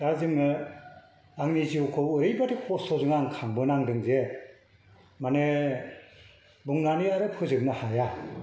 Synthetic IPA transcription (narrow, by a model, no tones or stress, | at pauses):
ɡazɯŋɯ | aŋniziwkʰɔɯɾɯjbadikʰɔsɔzɯŋaŋkʰaŋbɯnaŋdɯŋze | mane | buŋnaniaɾɯpʰɯzɯk̚nahaja